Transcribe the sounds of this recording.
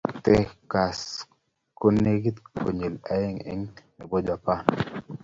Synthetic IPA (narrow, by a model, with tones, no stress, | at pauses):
t̪ɛ˦ka˨s | ko˦ne˦ɡi˦t̪kʰo˨ɲe˨la˨˦e˦ŋḛ˦ŋne˨bo˦d͡ʒa˨pa˦˨n